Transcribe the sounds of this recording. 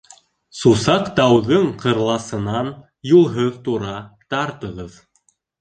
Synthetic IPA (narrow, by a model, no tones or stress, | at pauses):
susɑqt̪ɑwðɤɴqɤ̆ɾlˠɑsɤ̆nɑn | julˠɦɤðt̪uɾɑt̪ɑɾt̪ɤ̆ʁɤð